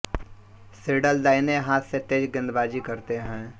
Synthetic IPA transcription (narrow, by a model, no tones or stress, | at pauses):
sɪːɖəld̪aːɪneɦãːt̪set̪eːd͡ʒɡɪ̃nd̪baːd͡ʒikəɾt̪eɦɛ̃ː